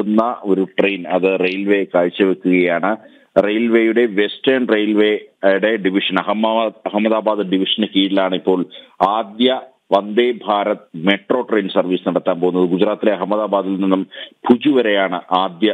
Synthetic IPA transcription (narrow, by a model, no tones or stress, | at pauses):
unːɐo̞ɾuʈrejnɐðɨrejlʋe̞ːkaːɻt͡ɕːɐʋekːuɣɐjaːɳɨ | rejlʋeːjuɽe̞ʋe̞stɐɳrejlʋeɽe̞ɖiʋiʂɐnɐɦɐmɐɦɐmːɐðaːbaːd̪ɨɖiʋiʂɐnɨkiːʈilaːɳɨipːo̞ːɭaːd̪jɐ | ʋɐnd̪eːbʱaːɾɐt̪ːɨme̞ʈro̞ːʈrejnsɐrʋiːsɨnɐɽɐt̪ːaːnpo̞ɣunːɐðɨɡud͡ʑɾaːt̪ːileɐɦɐmːɐðaːbaːd̪ilninːumbʰʱud͡ʑuʋɐɾejaːɳɨʔaːd̪jɐ